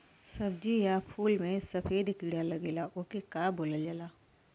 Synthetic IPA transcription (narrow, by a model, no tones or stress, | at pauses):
sɐbd͡ʒijapʰuːlmẽsɐpʰeːd̪kiɽalɐɡeːlaʔokekaːboːləld͡ʒaːlaː